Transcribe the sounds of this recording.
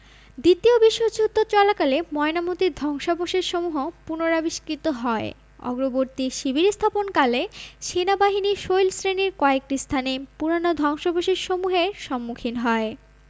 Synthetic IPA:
d̪it̪iobiʃːod͡ʑʰʱot̪ːot͡ɕɔlakalemɔenamot̪id̪ʱɔŋʃaboʃeɾʃomuɦopunoɾabiʃkɾit̪oɦɔe | ɔ̰ɡɾoboɾt̪iʃibiɾst̪ʰaponkaleʃinabaɦiniʃojlsɾeniɾkɔek̚ʈist̪ʰanepuɾanod̪ʱɔŋʃaboʃeɾʃomuɦeɾʃɔmːukʰinɦɔe

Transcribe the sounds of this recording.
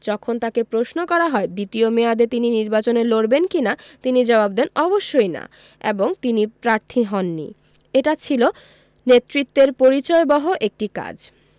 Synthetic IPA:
d͡ʑɔkʰont̪akepɾosnokɔɾaɦɔed̪it̪iomead̪et̪ininiɾbat͡ɕoneloɽbenkinat̪inid͡ʑɔbab̚d̪enɔboʃːojna̰ | ḛboŋt̪inipɾaɾt̪ʰiɦɔnːḭ | eʈat͡ɕʰilo | net̪ːɾit̪ːeɾpoɾit͡ɕɔebɔɦoʔek̚ʈika̰d͡ʑ

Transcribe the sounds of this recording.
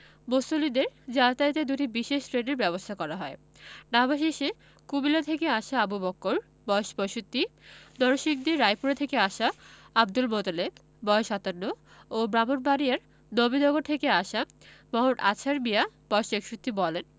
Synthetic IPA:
mosolid̪eɾd͡ʑat̪aet̪ed̪uʈibiʃeʃʈɾeneɾbɛβost̪ʰakɔɾaɦɔe | ɖabaʃ̬eʃe | kubilat̪ʰekeaʃaabubɔkːoɾ | bɔeʃpɔjʃut̪ːid̪ɔɾʃik̚d̪eɾːajpuɾet̪ʰekeaʃa | ab̚d̪ulmɔd̪ole | bɔeʃat̪anːo | obɾamonbʱaɾiaɾ | nobinɔɡoɾt̪ʰekeaʃa | mɔɦoɾa̰t͡ɕʰaɾmijab̥ɔeʃekʃut̪ːibɔlen

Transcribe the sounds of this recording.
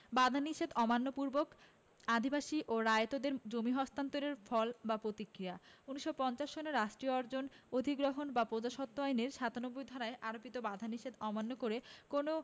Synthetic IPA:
bad̪ʱaniʃed̪ɔmanːopuɾbok | ad̪ʱibaʃiʔoɾaet̪od̪eɾd͡ʑomiɦɔst̪ant̪oɾeɾfɔlbapɾot̪ikɾiauniʃopɔnt͡ɕaʃːoneɾaʃʈɾioɔɾd͡ʑonod̪ʱiɡɾoɦonbapod͡ʑaʃɔt̪ːoajneɾʃat̪anobːojd̪ʱɔɾaeʔaɾopit̪obad̪ʱaniʃed̪ʱɔmanːokoɾekono

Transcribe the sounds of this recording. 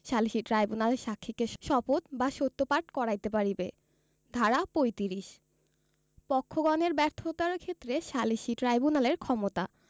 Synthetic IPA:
ʃaliʃiʈɾajbunaleʃakʰːikeʃɔpot̪baʃot̪ːopaɾʈkɔɾajt̪epaɾibḛ | d̪ʱaɾapojt̪iɾiʃ | pɔkʰːoɡɔneɾbɛɾt̪ʰot̪aɾkʰet̪ːɾeʃaliʃiʈɾajbunaleɾkʰɔmot̪a

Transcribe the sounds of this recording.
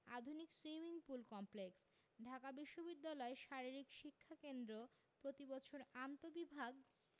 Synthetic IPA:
ad̪ʱunikswimiŋpulkɔmpleks | ɖʱakabiʃːobid̪ːalɔeʃaɾiɾikʃikʰːakend̪ɾo | pɾot̪ibɔt͡ɕʰoɾant̪obibʱaɡ

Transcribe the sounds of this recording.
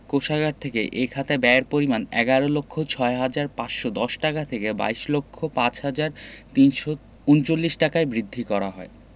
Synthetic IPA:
koʃaɡaɾt̪ʰekeʔekʰat̪ebɛaɾpoɾimanɛ̰ɡaɾolokʰːot͡ɕʰɔeɦad͡ʑaɾpãt͡ɕʃod̪ɔʃʈakat̪ʰekeba̰iʃlokʰːopãt͡ɕhad͡ʑaɾt̪inʃo | unt͡ɕolːiʃʈakaebɾid̪ʱːikɔɾaɦɔe

